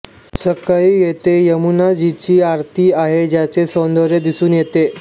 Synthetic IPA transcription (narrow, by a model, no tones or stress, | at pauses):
səkəijet̪ejəmunad͡ʑit͡ɕiːaɾt̪ʰiːaɦed͡ʑjat͡sesõnd̪oɾjed̪isuːnjet̪e